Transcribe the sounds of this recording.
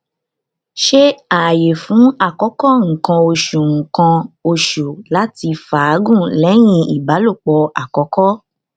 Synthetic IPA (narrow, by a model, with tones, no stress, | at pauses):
ʃe˦a˨je˨fũ˨˦a˦˨kɔ˨˦kɔ˦ŋ̩˨kã˧o˧ʃu˨ŋ̩˨kã˧o˧ʃu˨la˦ti˧fa˨˦ɡũ˦˨lɛ˨˦j̃ĩ˧i˨ba˨˦lo˦˨k͡pɔ˧a˨kɔ˨˦kɔ˦